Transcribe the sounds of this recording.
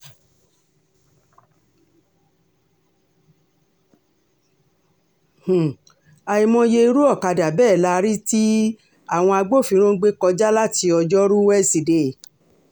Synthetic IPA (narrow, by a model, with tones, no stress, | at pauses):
h̩˨ | a˨i˨mɔ̃˧je˧i˧ɾu˦ɔ˦˨ka˧da˨bɛː˦˨la˧ɾi˦ti˦ | a˦˨w̃ɔ̃˧a˧ɡ͡bo˦˨fĩ˨˧˦ɾ̃õ˦ɡ͡be˦kɔ˧d͡ʒa˦la˦ti˧ɔ˧d͡ʒɔ˦ɾu˦wɛ˦si˨de˨